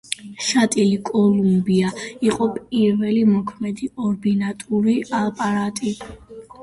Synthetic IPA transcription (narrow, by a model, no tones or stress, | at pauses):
ʃat̪ʼilikʼɔlumbiaiqʼɔpʼiɾvɛlimɔkʰmɛd̪iʔɔɾbinat̪ʼuɾialˠpʼaɾat̪ʼi